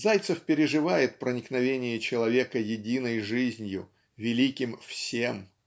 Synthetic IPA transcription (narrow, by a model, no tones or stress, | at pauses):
zajt̪səfpʲɪɾʲɪʐɨvajɪt̪̚pɾənʲɪknɐvʲenʲɪjət͡ɕɪlˠɐvʲe̞kəjɪdʲinəjʐɨzʲnʲjʊ̰ | vʲɪlʲikʲɪmfsʲem